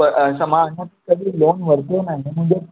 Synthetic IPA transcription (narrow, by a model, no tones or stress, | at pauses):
əsəmanatikəd̪ʱiːlonʋəɾt̪enaɦim̤əɳd͡ʑe